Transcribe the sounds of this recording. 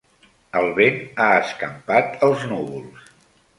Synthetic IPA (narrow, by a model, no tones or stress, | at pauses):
əlˠβenaəskəmpat̪əlˠznuβulˠs